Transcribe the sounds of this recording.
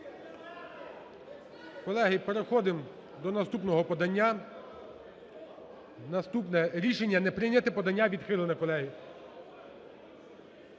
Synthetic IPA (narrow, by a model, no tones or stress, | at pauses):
kɔlˠɛɦɪpeɾexɔd̪ɪm | d̪ɔnɐst̪upnɔɦɔpɔd̪ɐnʲːa | nɐst̪upnɛɾʲiʃenʲːɐnɛpɾɪnʲɐt̪ɪpɔd̪ɐnʲːaʋʲid̪xɪlˠenɐkɔlˠɛɦɪ